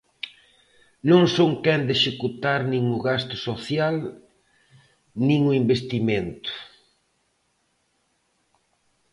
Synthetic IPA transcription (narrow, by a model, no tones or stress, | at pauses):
nõŋsoŋkɛnd̪eʃekut̪aɾnĩŋʊɣast̪ʊ̥soθjal | nĩŋʊimbest̪imẽnt̪ʊ̥